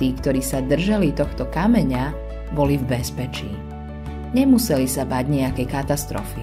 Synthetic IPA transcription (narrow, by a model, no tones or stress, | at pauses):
iːkt̪ɔɾiːsad̪r̩ʒalit̪ɔxt̪ɔkamɛɲa | bɔlivbɛspɛt͡ʃḭː | ɲɛmusɛlisabaɟɲɛakɛjkat̪ast̪ɾɔ̰fi